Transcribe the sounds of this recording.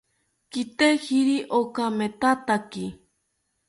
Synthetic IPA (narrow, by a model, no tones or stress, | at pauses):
kit̪ehiɾiʔokamet̪at̪aki